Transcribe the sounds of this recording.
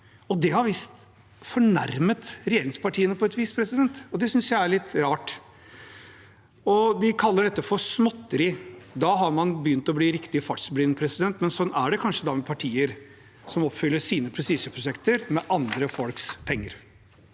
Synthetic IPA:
ɔd̪ɛhɑɾʋist̪ | fɔɳæɾmət̪ɾɛjeːɾɪŋspɑʈʰiːənəpʰɔɛt̪ʋiːspʰɾɛsɪd̪ɛnt̪ɔd̪ɛsʏnsjæɪæɾɭɪt̪ːɾɑːʈ | ɔd̪ɪkʰɑlːəɖɛt̪ːəfɔɾsmɔt̪ːəɾɪd̪ɑːɦɑɾmɑnbəjʏnt̪ɔbliːɾɪkt̪ɪəfɑt̪sbɾɪːnəpʰɾɛsɪd̪ɛnt̪mɛnsɔnæɖɛkʰɑnʂəd̪ɑːmɛpʰɑʈʰiːəɾ | sɔmɔpːfʏlːəʂiːnəpʰɾɛst̪iːʂəpʰɾʊʂɛkt̪əɾmɛʔɑnd̪ɾəfɔlkspʰɛŋːəɾ

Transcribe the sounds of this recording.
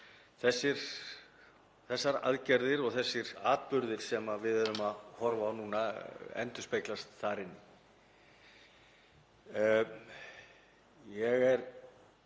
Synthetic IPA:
θɛsːɪɾ̥ | θɛsːaɾa̰ðcɛɾðɪɾɔɣθɛsːɪɾaːt̪pʏɾðɪɾ̥sɛmavɪðœɾʏmaðhɔɾvaːwnuːnaɛ̰nt̪ʏspejklast̪θaɾɪnːɪ | jɛɣɛɾ

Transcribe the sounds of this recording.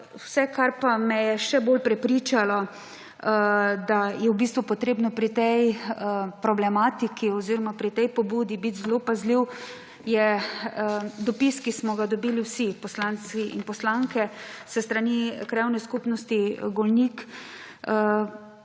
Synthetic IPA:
wsɛkaɾpamɛjɛʃɛbolpɾɛpɾit͡ʃalɔ | d̪ajɛwbist̪ʋupɔt̪ɾeːbnɔpɾit̪ɛj | pɾɔblɛmat̪ikiɔziɾɔmapɾit̪ɛjpɔbuːd̪ibit̪zlopazliw | jɛ | d̪ɔpiskismɔɡad̪ɔbiːliwsipɔslansiʔḭnpɔslaŋkɛsəst̪ɾanikɾɛwnɛskupnɔst̪iɡɔlnik

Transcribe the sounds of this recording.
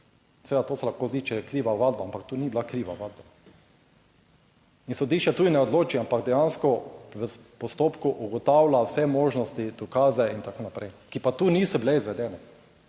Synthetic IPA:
seɛʋed̪at̪oːsɛlaxkoːzit͡ʃɛkɾiːʋaʋad̪̚baampak̚t̪uːnibilakɾiːʋaʋad̪̚ba | insɔd̪iːʃt͡ʃɛt̪uːd̪inɛɔd̪loːt͡ʃiampaɡd̪ɛjanskɔʋəpɔst̪oːpkuʔuɡɔt̪awlawsɛmoːʒnɔst̪id̪̥ɔkaːzɛint̪akoːnapɾɛjkipat̪uːnisɔbilɛizʋɛd̪ɛːnɛ

